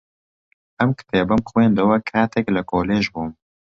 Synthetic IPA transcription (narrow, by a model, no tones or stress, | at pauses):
ʔɛmkt̪eːbɨmxweːnd̪ɨwɐkʰaːt̪ʰɛklɨkoːleːʒbuːm